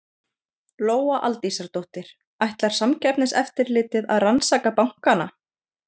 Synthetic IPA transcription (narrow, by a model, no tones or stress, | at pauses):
loːwaʔalt̪isaɾt̪owht̪ɪɾ̥ | ajht̪laɾ̥samcʰɛpnɪsɛ̰ft̪ɪɾlɪːt̪ɪða̰ðransaːkapawŋ̥kana